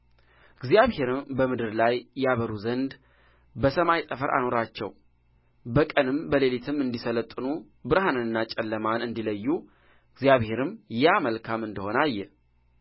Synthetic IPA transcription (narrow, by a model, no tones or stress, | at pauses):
ɨɡzjaβhe̞ɾɨmbəmɨd̪ɨɾlajjaβəɾuzənd̪ | bəsəmajt̪ʼəfəɾʔa̰no̞ɾat͡ʃːɛ̰w | bəkʼənɨmbəlelit̪ʰɨmɨnd̪isələt̪ʼːɨnu | bɨɾɦanɨnɨnːat͡ʃʼɛlːəmanɨnd̪iləjːu | ɨɡzijaβhe̞ɾɨmjɛaməlkʰamɨnd̪əho̞najːɛ